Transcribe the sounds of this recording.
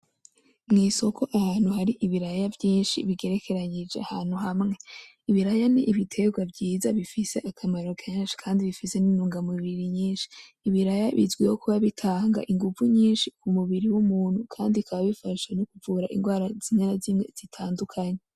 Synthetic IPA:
mŋiːso̞kʰo̞ʔahaːnhuɦaɾiʔiβiɾajavjiːnʃḭβiɡe̞ɾe̞kʰe̞ɾaɲid͡ʒeahaːn̥huɦamŋe̞ | iβiɾajaniʔiβitʰe̞ɡwavɟiːzaβifise̞ʔakʰamaɾo̞kʰenʃi̥kʰaːndiβifise̞ninuːŋɡamuβiɾiɲiːnʃi̥ːβiɾajaβḭzɡwihokʰuβaβitʰaːŋɡa̰ʔiŋɡuvuɲiːnʃikumuβiɾiwumuːn̥hukʰaːndikʰaβaβifaʃwenokuvuɾaʔḭnɡwaːɾaz̥inanazimŋe̞z̥itʰaːndukʰaɲe

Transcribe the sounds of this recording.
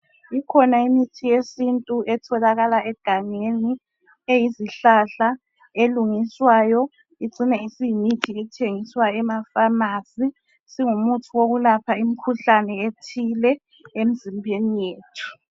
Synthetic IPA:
ikʰɔnaimitʰijesintʼuʔɛtʰɔlaɣalaʔɛɡ̥ʱaŋeni | ejiziɬaɬa | eluŋiswaːjɔ | iǀinɛisimitʰiɛtʰeŋiswaɛmafamasi | siŋumutʰuwoɣulapʰaim̩kʰuɬanɛetʰilɛ | em̩zimbʱenijeːtʰu̥

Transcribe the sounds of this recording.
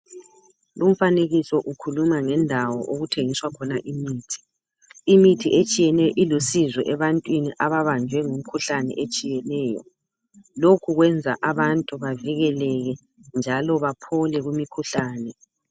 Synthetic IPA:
lum̩faneɣisɔʔukʰulumaŋɛndʱawɔ̰ʔoɣutʰeŋiswakʰɔnaʔimiːtʰi̥ː | mitʰiʔet͡ʃʼijɛnɛjɔʔilusizwɛ̰ʔɛβantʼwiniʔaβaβand͡ʒʱwɛŋum̩kʰuɬanɛ̰ʔet͡ʃʼijɛnɛːjɔ̰ | lokʰuɣwɛnd͡zʱa̰ʔaβantʼuβaviɣɛlɛɣɛ | nd͡ʒʱalɔβapʰɔlɛɣumikʰuɬaːnɛ

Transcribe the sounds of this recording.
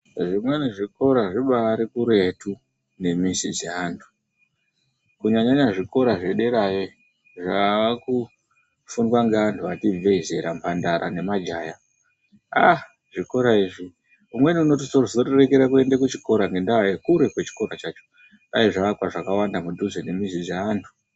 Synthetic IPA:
ʐimwe̞niʐiko̞ɾaʐiɓaːɾikuɾe̞tu | ne̞misid͡ze̞aːntʰu̥ | kuɲaɲaɲaʐiko̞ɾaʐe̞ɗe̞ɾaje | ʐaaku | fundwaŋɡeʋantʰuʋative̞ize̞ɾampʰandaɾa̰ne̞mad͡ʒaːja | a | ʐiko̞ɾaiːʐi | umwe̞niuno̞t̬isorzorere̞ke̞ɾakue̞ndekut͡ʃiko̞ɾaŋɡe̞ndajekuɾe̞kwe̞t͡ʃi̥ko̞ɾat͡ʃat͡ʃo̥ | ɗajiʐaʋakwaʐakawandamuduzene̞misid͡zeaːntʰu̥

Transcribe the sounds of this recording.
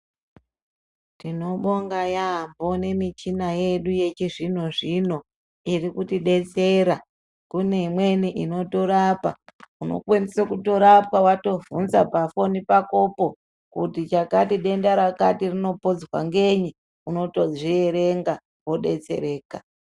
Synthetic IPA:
tino̞ɓoŋɡajambone̞mit͡ʃinajeɗuje̞t͡ʃiʐin̤o̞ʐino̞ | irikutiɗe̞t͡se̞ɾa | kune̞mweniʔino̞toɾapa̰uno̞̰kwenisakuto̞ɾap̚awato̞vunzapafo̞nipako̞po̞ | kutit͡ʃakatiɗe̞ndaɾakatirino̞pod͡zwa̰ŋɡe̞ɲi | uno̞to̞d͡zieɾeŋɡa | wo̞ɗe̞̰t͡se̞̰ɾe̞ːka

